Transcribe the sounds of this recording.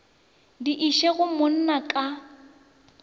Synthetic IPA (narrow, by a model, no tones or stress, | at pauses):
diʔiʃeɣʊmʊn̩nakʼa